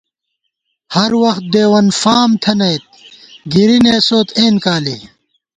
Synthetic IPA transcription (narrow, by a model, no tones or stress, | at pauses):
hɐɾwɐxt̪̚d̪eːwɐnfaːmt̪ʰɐnɐjt̪̚ɡiɾineːsoːt̪ʰeːnkaːlḭ